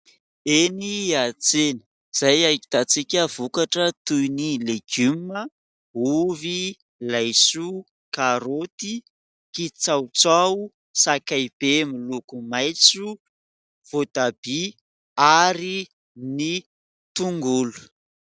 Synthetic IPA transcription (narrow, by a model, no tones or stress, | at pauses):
eniat͡senə | z̥ajajki̥t̪at͡sikʲəv̥ukaʈ͡ʂət̪ujnileɡumə | uvi | lajsu | kaɾot̪i | kit͡sawt͡sau | sakajb̥emilukumajt͡su | v̥ot̪ab̥i | aɾi | ni | t̪uŋɡulu̥